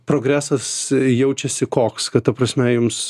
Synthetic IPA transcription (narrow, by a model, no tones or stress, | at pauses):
pɾoːɡɾʲæːsɐsjɛʊt͡ʃʲɛsʲɪkoːkskɐt̪t̪ɐpɾɐsʲmʲɛjʊms